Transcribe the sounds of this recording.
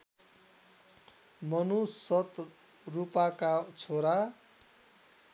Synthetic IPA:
mʌnusʌt̪ | rupakat͡sʰoɾa

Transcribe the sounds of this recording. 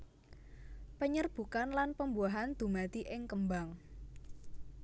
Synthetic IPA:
pəɲərb̥ṳkanlanpəmbuaɦand̪̥ṳmat̪iʔɪŋkəmbaŋ

